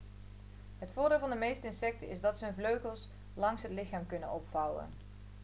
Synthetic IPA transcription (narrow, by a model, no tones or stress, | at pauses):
ɦətfʊːɹdɪːlˠvɑndəmejstəɪnsɛk̚təʔɪ̰zdɑtsəɵnvløɥχəlˠs | lɑŋsɦətlɪχaːmkɵnənɔpfʌwə̰n